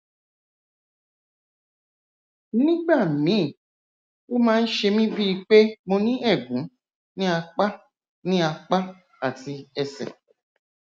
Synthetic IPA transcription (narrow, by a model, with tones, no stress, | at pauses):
nĩ˦ɡ͡ba˦˨mĩ˨˦˨ | o˦mãː˦n̩˦ʃe˧mĩ˦bi˦i˧k͡pe˦mo˧nĩ˦ʔɛ˦˨ɡũ˨˦ | nĩ˦a˧k͡pa˦ | nĩ˦a˧k͡pa˦ | a˦˨ti˧ɛ˧sɛ̰˨